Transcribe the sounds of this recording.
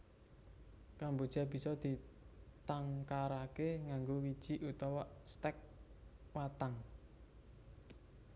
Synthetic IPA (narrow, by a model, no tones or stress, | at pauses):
kambod̥ʒ̥a̤b̥i̤sɔd̪̥i̤t̪aŋkaɾakeŋaŋɡowid̥ʒ̥i̤ʔut̪ɔwɔst̪ɛk̚wat̪aŋ